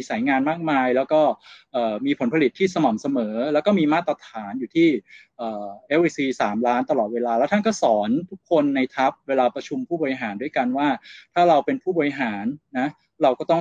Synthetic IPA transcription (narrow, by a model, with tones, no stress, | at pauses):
i˧sa˩˦jŋaː˧nmaː˥˩k̚maː˧jlɛː˦˥wkɔː˥˩ʔɤː˨˩miː˧pʰo˩˦npʰa˧li˨˩t̪ʰːiː˥˩sa˧ma˨˩msa˧mɤː˩˦lɛː˦˥wkɔː˥˩miː˧maː˥˩t̪ɾa˧t̪ʰaː˩˦njuː˨˩t̪ʰiː˥˩ʔɤː˨˩ʔe˦˥wʔe˧˥siː˧saː˩˦mlaː˦˥nt̪a˧lɔː˨˩t̪̚weː˧laː˧lɛː˦˥wt̪ʰa˥˩kɔː˥˩sɔː˩˦nt̪ʰu˦˥kʰːo˧nːa˧jt̪ʰa˦˥p̚weː˧laː˧pɾa˧t͡ɕʰu˧mpʰuː˥˩bɔː˧ɾi˧ɦaː˩˦ndu˥˩jka˧nwaː˥˩t̪ʰaː˥˩ɾa˧wpe˧npʰuː˥˩bɔː˨˩i˧ɦaː˩˦nːa˦˥ | ɾa˧wkɔː˥˩t̪ɔ˥˩